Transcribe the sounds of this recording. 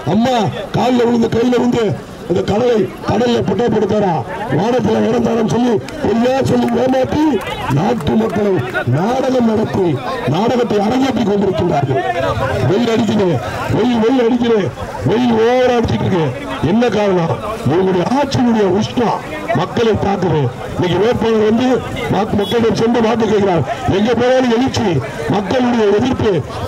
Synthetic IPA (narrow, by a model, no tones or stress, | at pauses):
ɐmːaːkaːllɐʋɪɽɯnd̪ɐkɐjːɪlɐɾɪnd̪e | ɐnd̪ɐkɐɽɐlɐɪ | kɐɽɐlɪlɐpɛʈːɐpːɐɽɯt̪ːaːɾaːʋaːnɐt̪ːɪlɐɛɽɐnd̪aːɾɐmsɔlːi | pɔɾɪjaːsɔlːimeːmaːpːinaːʈːɯmɐkːɐɭɐmnaːɽɐɣɐmnɐɽɐt̪ːɯ | naːɽɐɣɐt̪ːɐɪɐɽɐŋɣeːp̬ːik̬ːɔɳɖɪɾɯkːɪndraːɾɣɐʋɛjɪlɐɽɪt̪̬ːɪɾe | ʋɛjlʋɛjɪlɐɽɪk̬ːɪɾe | ʋɛjɪloːʋɐɾaːɽɪt͡ʃːɪʈːɾɯkːe | ɛnːɐkːaːɾɐnaːɛɡɯɽɐjɐaːʈ̚t͡ʃɪjɯɽɐjɐʋɪʂʈːa̰ː | mɐkːɐɭɐɪt̪aːɾkːɯɾe | ɪnɐkːɯʋeːɾpɐːnɐɾʋɐnd̪ɯ | mamɐkːɐɭɪɽɐmsɛndɯpaːɾk̬ːɯk̬ːeːkːɪɾaːɾɛŋɡeːpoːɾaːlɯɛɣɪt͡ʃːi | mɐkːɐɭɯɽɐjɐɛðɪɾpːɯ